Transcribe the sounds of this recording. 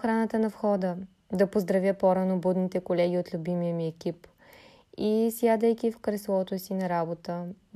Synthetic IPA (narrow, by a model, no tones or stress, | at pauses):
xɾanət̪ənɐfxɔd̪ə | d̪ɐpozd̪ɾɐvʲjəpɔɾanobud̪nit̪ɛkolɛɡ̟ʲiot̪lʲubimijəmiɛkʲip | isjad̪əjkʲifkɾɛslˠɔt̪osinɐɾabot̪ə